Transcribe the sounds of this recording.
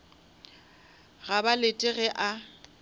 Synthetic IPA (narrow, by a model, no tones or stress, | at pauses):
ɣabaletʼɪɣɛʔa